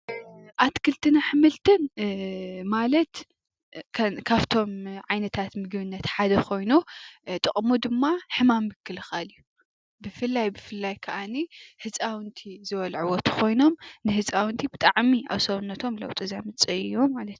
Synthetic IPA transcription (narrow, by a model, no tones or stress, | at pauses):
ʔat̪kʰɨlt̪ʰɨnaħɨmɨlt̪ʰɨn | malɐt̪ | kʰɐkʰaβt̪ʰo̞mʕajnɐt̪ʰat̪mɨɡβɨnːɐt̪ħad̪ɐkʰo̞jnut̪ʼɨχʼmud̪ɨmːaħɨmamːɨkʰːɨlɨxalju | bɨfɨlːajbɨfɨlːajkʰɐʔanihɨt͡sʼawɨnt̪ʰizɨwɔlʕɨwɔt̪ʰu̥kʰo̞jno̞mnɨhɨt͡sʼawɨnt̪ʰibɨt̪ʼaʕmia̰βsɐwunːɐt̪ʰo̞mlɐ̰wt̪ʼɨzamɨt͡sʼɨɨjːomalɐt̪